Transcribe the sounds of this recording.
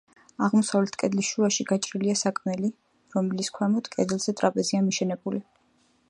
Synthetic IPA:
aʁmɔsavlɛt̪ʰkʼɛd̪lisʃuaʃiɡat͡ʃʼɾiliasakʼmɛli | ɾɔmɛliskʰwɛmɔd̪̥kʼɛ̰d̪ɛlˠz̥ɛt̪ʼɾapʼɛziamiʃɛnɛbuli

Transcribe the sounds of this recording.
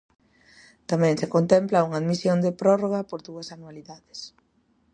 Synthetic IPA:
t̪amɛ̃ŋsekont̪ɛmplauŋaðmisjond̪epɾɔroɣ̞apoɾðuɐsanualiðaðɪs

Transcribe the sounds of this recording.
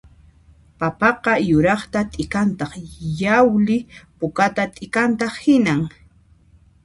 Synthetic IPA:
papɑqɑjʊɾɑχt̪at̪ʼɪkant̪ɑχjawlɪpʊkat̪at̪ʼɪkant̪ɑχhɪnaŋ

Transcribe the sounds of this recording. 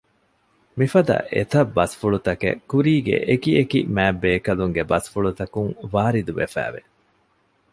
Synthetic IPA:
mifɐd̪ɐ̰ʔḛt̪ɐbːɐsfuɭut̪ɐkḛkuɾiːɡḛʔekiekḭmæːbːeːkɐluŋɡebɐsfuɭut̪ɐkuŋʋaːɾid̪uʋefæ̰ːʋe

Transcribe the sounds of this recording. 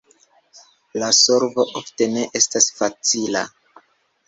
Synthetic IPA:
laso̞ɾvo̞ʔofte̞ne̞ʔe̞stasfat͡sila̰

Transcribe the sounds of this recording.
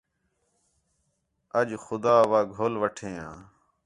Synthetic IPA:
əd͡ʒxʊd̪aːʋaːɡʱoːlʋəʈʰeːã̰ː

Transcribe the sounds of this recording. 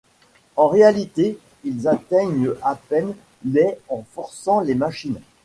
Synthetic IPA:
ɑ̃ʁealit̪e | ilzat̪ɛɲapɛn | lɛɑ̃fɔʁsɑ̃lemaʃin

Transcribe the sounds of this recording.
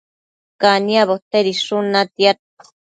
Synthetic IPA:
kaniaβot̪eɾiʂunat̪jat̪̚

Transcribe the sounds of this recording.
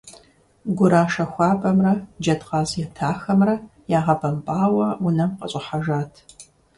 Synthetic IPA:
ɡʷʊɾaːʂɐxʷɑːpʼɐmrɐd͡ʒɐdqɑːzjɛtʰaːxɐmrɐjaːʁɐbɐmpʼaːwɐʊnɐmqɐ̰ɕʼɪħaʒaːtʰ

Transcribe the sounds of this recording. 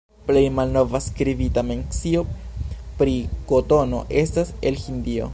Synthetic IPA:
ple̞jmalno̞vaskɾibitameŋksio̞pɾikotono̰ʔe̞stase̞lhindio̞̰

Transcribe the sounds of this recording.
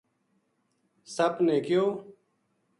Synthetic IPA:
səbneːkɪjoː

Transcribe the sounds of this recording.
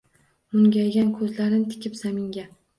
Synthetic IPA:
mʊŋɡʲajɡʲankʰɵzlaɾɪnɪt̪ʰɪ̥kʲɪpsamɪŋɡʲa

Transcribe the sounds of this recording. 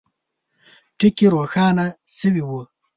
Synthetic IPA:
ʈikiɾoːxaːnasiwiwu

